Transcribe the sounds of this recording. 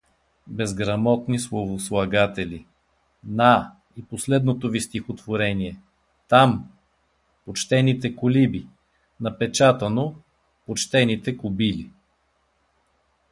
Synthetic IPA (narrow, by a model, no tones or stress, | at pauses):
bɛzɡɾɐmɔt̪nislˠovoslˠɐɡat̪ɛlʲi | na | iposlɛd̪not̪ovist̪ixot̪voɾɛniɛ | t̪am | pot͡ʃt̪ɛnit̪ɛkolibi | nɐpɛt͡ʃat̪ɐno | pot͡ʃt̪ɛnit̪ɛkʊbili